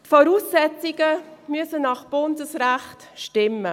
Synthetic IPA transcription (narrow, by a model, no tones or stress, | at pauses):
tfɔɾuːsːɛt͡siɡəmyəsənɑχb̥ʊndəsræχt | ʃtɪmːə